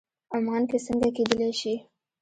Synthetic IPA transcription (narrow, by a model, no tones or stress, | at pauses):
amɑnkesəŋɡaked̪əlaʃi